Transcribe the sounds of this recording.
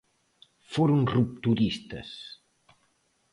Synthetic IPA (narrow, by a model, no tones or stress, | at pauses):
foɾuŋrup̚t̪uɾist̪ɐ̰s